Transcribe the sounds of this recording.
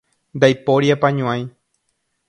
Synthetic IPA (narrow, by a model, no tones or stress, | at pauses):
nd̪ajpoɾjapãɲõãj̃